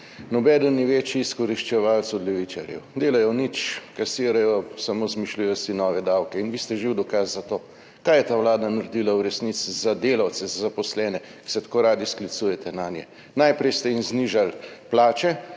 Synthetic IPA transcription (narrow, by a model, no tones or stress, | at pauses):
nɔbɛːd̪ɔnniʋeːt͡ʃjiːskɔɾiʃt͡ʃɛʋalt̪sɔd̪lɛʋit͡ʃa̰ɾjɛ̰wd̪eːlajɔnit͡ʃkasiːɾajɔsamozmiʃlujɛsinɔːʋɛd̪awkɛinʋiːst̪ɛʒiwd̪ɔkasːat̪oː | kajɛt̪aːwlaːd̪anaɾd̪ilauɾɛsnit̪sizad̪eːlawt̪sɛzazapɔslɛːnɛ | ki̥sɛt̪ḁkoːɾaːd̪isklit̪suːjɛt̪ʰɛnaːnjɛ̰ | najpɾɛjst̪ɛimzniʒalplaːt͡ʃɛ